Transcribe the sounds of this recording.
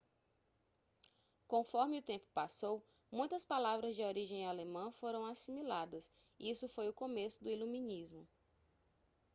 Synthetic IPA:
kõfɔɾmɪʊt̪ẽmpʊ̥pasow | mũj̃t̪ɐspalavɾɐzd͡ʒɪoɾiʒẽj̃alemɐ̃foɾɐ̃w̃asimilad̪ɐs | isʊfojʊkõmesʊd̪ʊilumĩnizmʊ

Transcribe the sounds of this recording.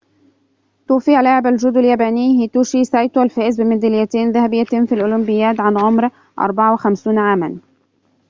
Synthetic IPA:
t̪uːfijʕlaːʕɪbalʒʊd̪aljaːbæːniːhit̪uːʃisajt̪walfæːʔɪzbɪmæd̪ilɪjæt̪eːnðæhæbɪjːæt̪ɪnfilʔʊlʊmbɪjːaːt̪ʕanʕʊmɾ | ʔɑ̰ɾˤbɑʕawɪxamsuːnʕaːman

